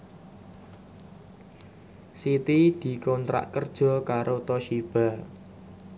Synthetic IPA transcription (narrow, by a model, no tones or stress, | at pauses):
sit̪id̪̥i̤kɔnt̪ɾa̰ʔkərd̥ʒ̥ɔ̤kaɾʔot̪ɔʃib̥a̤